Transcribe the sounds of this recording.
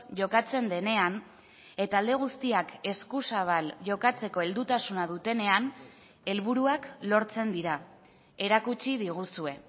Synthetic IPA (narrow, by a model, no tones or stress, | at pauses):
ʝo̞kat͡se̞nd̪e̞ne̞an | e̞t̪aːld̪e̞ɣ̞ust̪iake̞skusaβ̞alʝo̞kat͡se̞ko̞e̞ld̪ut̪asunað̞ut̪e̞ne̞an | e̞lβ̞uɾuaklo̞ɾt͡se̞nd̪iɾa | e̞ɾakut͡ʃiðiɣ̞usue̞